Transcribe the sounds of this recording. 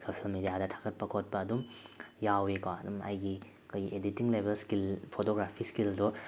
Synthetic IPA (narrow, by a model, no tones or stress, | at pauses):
sosɐlmedijadɐtʰḁkʰɐt̚pɐkʰot̚pɐːdumjawekaɐ̰dumɐ̰jɡi | kojʔeditiŋlebelskilpʰotoɡɾapʰiskildɔ